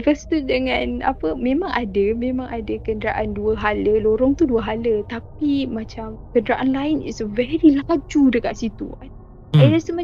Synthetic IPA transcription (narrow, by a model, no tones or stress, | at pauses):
pəst̪udəŋãna̰pəmẽmãŋʔadəmẽmãŋadəkəndɾaʔanduəɦaləloɾɔŋt̪uduəɦalət̪ap̚imãt͡ʃamkəndɾaʔanlainḭtsəvɛɾilad͡ʒudəkaʔsit̪ṵan | aɾasəma